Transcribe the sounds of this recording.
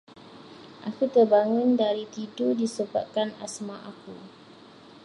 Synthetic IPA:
ʔakut̪ərbaŋũndaɾit̪idodisəba̰t̪̚kana̰smãʔaku

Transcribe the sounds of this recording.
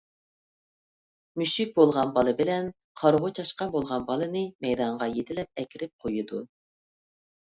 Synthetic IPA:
myʃik̚ʲbolˠʁɑnbɑlˠɨbɪlɛn | qʰɑɾʁʊt͡ʃʰɑʃqɑbolˠʁɑnbɑlˠɨnɨmɛjd̪ɑɴʁɑjet̪ʰɪlɛp̚ɛkʲɪɾɪp̚qʰojud̪u

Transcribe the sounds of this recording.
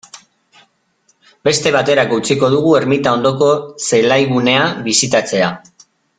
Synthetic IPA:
be̞st̪e̞β̞at̪e̞ɾakout͡siko̞ð̞uɣ̞ue̞ɾmit̪ao̞nd̪o̞ko̞se̞lajɣune̞aβisit̪at͡se̞a

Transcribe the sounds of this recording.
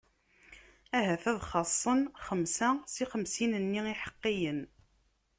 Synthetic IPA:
æɦæθæðχɑsˤːənχəmsæsiχəmsinənːiiħə̥qːijən

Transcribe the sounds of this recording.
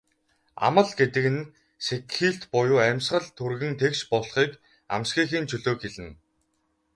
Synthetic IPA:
a̰mə̆ɮɡet̪ɘ̆kɘ̆n | sekxiːɬt̪pʊjʊːæmʲsɢə̆ɮt̪ʰurɣɘ̆nt̪ʰekʃpɔɮχiːk | a̰msɡiːxiːnt͡ɕʰɵɮoːkxeɮɘ̆n

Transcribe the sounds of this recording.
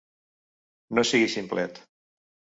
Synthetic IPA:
nosiɣisimplɛt̪

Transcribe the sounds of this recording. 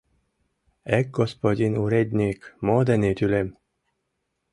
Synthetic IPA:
ɛk̚ɡospod̪ʲinuɾed̪ʲnʲikmoːd̪ɛnet̪ʲylem

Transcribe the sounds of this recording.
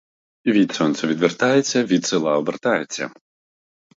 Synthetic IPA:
ivʲit̪sɔnt̪sɐvʲid̪vʲɛrt̪ajɛsʲɐvʲit̪sɨlˠawbɛrt̪ajɛt͡sʲːɐ̰

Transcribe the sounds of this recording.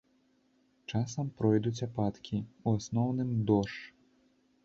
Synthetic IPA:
t͡ʂasɐmpɾɔjd̪ut͡sʲapat̪kʲiuasnɔwnɨmd̪ɔʂ

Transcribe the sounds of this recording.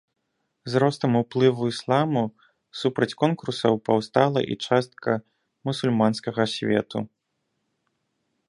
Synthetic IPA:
zɾɔst̪ɐmuplˠɨvuislˠamu | supɾɐt͡sʲkɔnkursɐwpɐwst̪alˠɐ̰ʔḭt͡ʂast̪̚kʰɐ | musulʲmanskɐɣɐsʲvʲɛ̰t̪u

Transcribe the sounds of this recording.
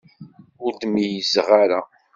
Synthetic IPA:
ʊɾt̪mijəzʁaɾa

